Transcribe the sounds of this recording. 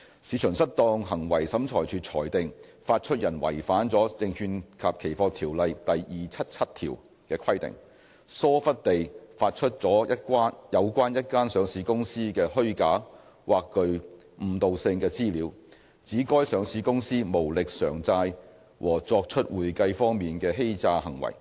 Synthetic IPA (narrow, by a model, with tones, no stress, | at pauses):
siː˨˥t͡ʃʰœː˨˩ŋsɐ˥t̚t̪ɔː˧ŋɦɐ˨˩ŋwɐ˨˩jsɐ˨˥mt͡ʃʰɔː˨˩jt͡ʃʰyː˨t̚t͡sʰɔː˨˩jt̪ɪ˨ŋfaː˧t̚t͡ʃʰɵ˥t̚jɐ˨˩nwɐ̰˨˩jfaː˨˥nt͡sɔː˨˥t͡sɪ˧ŋhyː˧nkʰaː˨p̚kʰe˨˩jfɔː˧t̪ʰiː˨˩wlɐ˨jt̪ɐ˨jjiː˨t͡sʰɐ˥t̚t͡sʰɐ˥t̚t̪ʰḭː˨˩w | kɛː˧kʰɐ˥jt̪ɪ̰˨ŋ | sɔː˥fɐ˥t̚t̪e˨jfaː˧t̚t͡ʃʰɵ˥t̚t͡sɔː˨˥jɐ˥kʷaː˥njʔɐ˨˧wkʷaː˥njɐ˥t̚kaː˥nsœː˨˧ŋsiː˨˧kʊ˥ŋsiː˥kɛː˧hɵ˥ɥkaː˨˥ | wʔaː˨kːɵ˧ɥ | m̩˨˩t̪o˨wsɪ˧ŋkɛː˧t͡siː˥liː˨˥w | t͡siː˨˥kɔː˥jsœː˨˧ŋsiː˨˧kʊ˥ŋsiː˥mo˨˩wlɪ˨k̚sœː˨˩ŋt͡saː˧j | wʔɔ̰ː˨˩t͡sɔː˧k̚t͡ʃʰɵ˥t̚wuː˨jkɐ˧jfɔː˥ŋmiː˨nkɛː˧ɦe˥jt͡saː˧hɐ˨˩ŋwɐ̰˨˩j